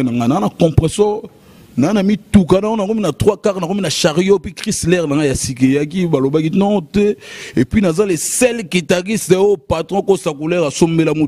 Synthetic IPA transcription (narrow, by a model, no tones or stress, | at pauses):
naŋɡananakɔ̃pʁɛsɔ | naanamitukanaonakominatʁwakaʁnakominaʃaʁjopikʁislɛʁnaŋɡajasik̬ejak̬ibalobakitaɔtɛepɥinazalesɛlkitaʁisteopatʁɔ̃kosakulɛʁasomelamu